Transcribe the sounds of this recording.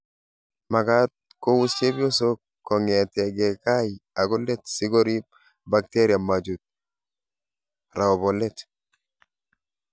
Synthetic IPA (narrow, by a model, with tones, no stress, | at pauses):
ma˨ɡa˦t̪̚ | ko˦wu˦st͡ʃe˦bi˦o˦sokː | o˨ŋe˨te˨ɡe˨ka˦jia˨ɡole˦tsi˦ɡoɾi˦ | bak̚teɾia˨mad͡ʒut̪̚ | ɾa˨obolet